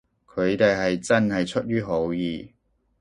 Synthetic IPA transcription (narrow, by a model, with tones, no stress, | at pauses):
kʰɵ˨˧ɥt̪e˨jɦɐ˨jt͡sɐ˥nhɐ˨jt͡ʃʰɵ˥t̚jyː˥ɦo˨˥wjiː˨